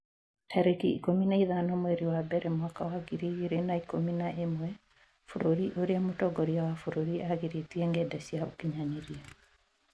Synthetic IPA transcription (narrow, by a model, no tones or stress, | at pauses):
hɛɾekiikominaiðanɔmwɛɾiwabɛɾɛmwakawaɡiɾiɣiɾenaikominaʔemwɛ | foɾoɾiʔoɾeamotɔɡɔɾiawafoɾoɾiʔaɣeɾetieŋɡɛdasiao̰kiɲaɲeɾia